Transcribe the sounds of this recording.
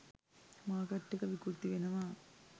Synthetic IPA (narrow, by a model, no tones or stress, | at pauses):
maːkɐʈːikɐʋikuɾt̪iʋenɐmaː